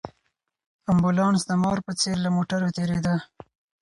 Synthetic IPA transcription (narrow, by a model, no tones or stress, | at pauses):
ambulɑnsd̪əmɑɾpət͡seɾlamoʈaɾot̪eɾed̪a